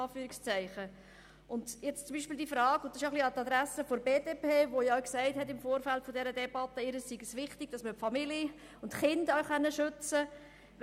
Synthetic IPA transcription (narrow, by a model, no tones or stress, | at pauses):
ɑːfyːɾɪkst͡sæɪχə | ʔʊndjɛt͡st͡sʊmbiːʃpiːld̪ifɾɑːɡʊnd̥̪ɑsʃjoχliɑt̪ɑd̪ɾæsəfoɾbeːdeːpeːʋojɑʊksæɪthɛtɪmfoːɾfæltfodɛɾədɛbɑt̪ːəɪɾəssiɡəsʋɪχtɪɡ̥̚d̥ɑsməpfɑmili | ʊntχɪndaχɛnːəʃʏt͡sə